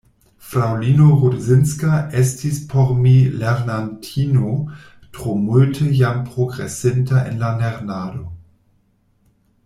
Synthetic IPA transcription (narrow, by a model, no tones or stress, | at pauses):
fɾawlinoʁudzɪnskaʔɛstʰispʰoʁmileʁnantʰiːno | tʁ̥omultʰəjampʁoɡʁḛsɪntʰaʔḛnlaneʁnaːdo